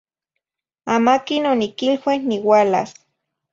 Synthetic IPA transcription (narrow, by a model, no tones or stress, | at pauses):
amakinonikilwehniwala̰s